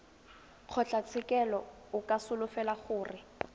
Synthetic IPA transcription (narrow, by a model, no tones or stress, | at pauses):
q͡χʰɔt͡ɬʼat͡sʰɪkʼɛlɔ | ʊkʼasʊlʊfɛlaχʊːrɪ